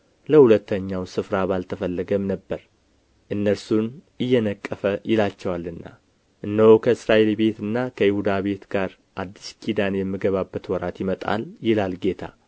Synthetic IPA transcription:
ləhulət̪ːəɲːawsɨfɾaβalt̪ʰəfəlːəɡəmnəbːəɾ | ʔɨnːəɾsun | ɨjːɛnəkʼːəfəjɪlat͡ʃːɛwalɨnːa̰ | ʔɨnːəhokʰəɨsɾaʔe̞lbe̞t̪ɨnːakʰəjihud̪aβe̞t̪ɡ̥aɾ | ʔad̪ːiskʰid̪anjɛmːɨɡəβabːət̪wɔɾat̪jɪmət̪ʼa̰ljɪlalɡe̞t̪ʰa̰

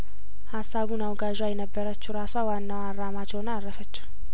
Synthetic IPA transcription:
hasːaβunawɡaʒajɛnəbːəɾət͡ʃːuɾaswawanːawarːamat͡ʃɛwonaɾːəfət͡ʃːu̥

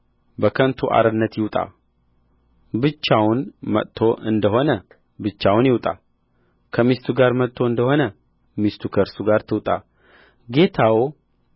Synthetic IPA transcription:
bəkʰənt̪ʰuʔa̰ɾɨnːət̪jɪwt̪ʼa̰ | bɨt͡ʃːawnmə̰t̪ʰːo̞ʔɨnd̪əho̞nə | bɨt͡ʃːawnjɪwt̪ʼa̰ | kʰəmist̪ʰuɡaɾmət̪ʼʰːo̞ɨnd̪əho̞nə | mist̪ʰukʰəɾsuɡaɾt̪ʰɨwt̪ʼa | ɡe̞t̪ʰaw

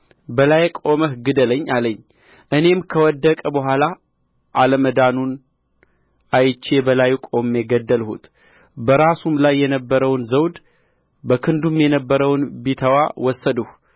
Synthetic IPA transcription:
bəlajkʼo̞məhɡɨd̪ələɲːaləɲː | ʔɨne̞mkʰəwɔd̪ːəkʼəbəɦʷala | ʔaləməd̪anun | ajt͡ʃːe̞bəlajkʼo̞mːɛɡəd̪ːəlhṵt̪ʰ | bəɾasumlajːɛnəbːəɾəwnzəwd̪ | bəkʰɨnd̪umjɛnəbːəɾəwnbit̪ʰəwawɔsːəd̪əh

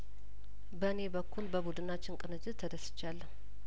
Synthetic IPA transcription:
bəne̞bəkːulbəbud̪ɨnat͡ʃːɪnkʼɨnɨd͡ʒɨt̪ʰːəd̪əsɨ̥t͡ʃːalːə

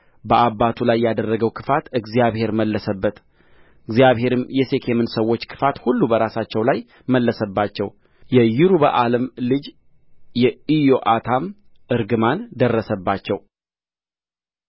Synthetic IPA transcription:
bəʔabːat̪ʰulajːad̪ərːəɡəwkʰɨfat̪ɨɡzijaβhe̞ɾməlːəsəbːət̪ | ɨɡzijaβhe̞ɾɨmjɛse̞kʰe̞mɨnsəwːo̞t͡ʃːkʰɨ̥fat̪hulːubəɾasat͡ʃːɛwlaj | məlːəsəbːat͡ʃːɛw | jɛjɪɾubə̰ʔaləmlɨd͡ʒ | jɛijo̞ʔat̪ʰam | ɨɾɡɨmand̪ərːəsəbːat͡ʃːɛw

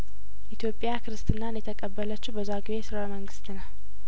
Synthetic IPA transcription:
ʔit̪ʰjo̞pʼjakʰɨɾɨst̪ʰʼɨnːanjɛt̪ʰəkʼəbːələt͡ʃːuwbəzaɡɨβesɨɾaməŋɡɨst̪nəw

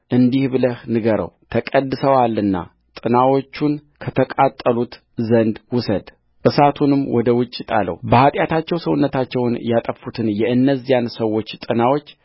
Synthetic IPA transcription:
ʔɨnd̪ihbɨləhnɨɡəɾə̰wt̪ʰəkʼəd̪ːɨsəwalːɨnːa̰ | t̪ʼɨnawo̞t͡ʃːunkʰət̪ʰəkʼat̪ʼːəlut̪ | zənd̪wʊsəd̪ | ʔɨsat̪ʰunɨmwɔd̪əwʊt͡ʃʼːɪt̪ʼa̰lːə̰wbəhat̪ʼjat̪ʰat͡ʃːɛwsəwʊnːət̪ʰat͡ʃːɛwnjat̪ʼəfut̪ʰɨnjɛʔɨnːəzːijansəwːo̞t͡ʃːt̪ʼɨnawo̞t͡ʃː

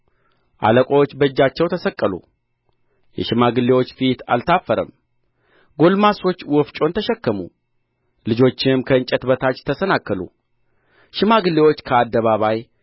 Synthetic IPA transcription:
ʔa̰ləkʷʼot͡ʃːbəɨd͡ʒːat͡ʃːɛwt̪ʰəsəkʼːəlṵ | jɛ̰ʃɪmaɡɨlːewo̞t͡ʃːfit̪a̰lt̪ʰafːəɾə̰m | ɡo̞lmaso̞t͡ʃːwɔft͡ʃʼo̞nt̪ʰəʃɛkːəmṵ | lɨd͡ʒo̞t͡ʃːɪmkʰəɨnt͡ʃʼɛt̪bət̪ʰat͡ʃːt̪ʰəsənakːəlṵ | ʃɪmaɡɨlːewo̞t͡ʃːkʰəad̪ːəβaβaj

